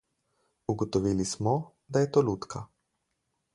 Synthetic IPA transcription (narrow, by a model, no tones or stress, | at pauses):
uɡɔt̪ɔʋilismɔ | d̪ajɛt̪oːluːt̪kʰa